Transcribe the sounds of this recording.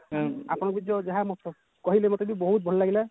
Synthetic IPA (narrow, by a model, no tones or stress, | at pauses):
a̰pɔnɔk̚bidɔd͡ʒaɦamɔtʰɔ | kɔɦilɛmɔtɔbibɔɦut̪̚bʱɔllaɡilɛ